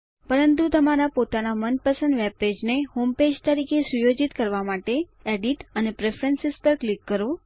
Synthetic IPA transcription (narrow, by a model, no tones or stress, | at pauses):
pəɾənt̪ut̪əmaɾapot̪anamənpəsə̃nd̪ʋebped͡ʒneɦomped͡ʒt̪əɾikʰesujod͡ʒit̪kəɾʋamaʈe | eɖiʈənepɾefʰɾənsespəɾklikːəɾo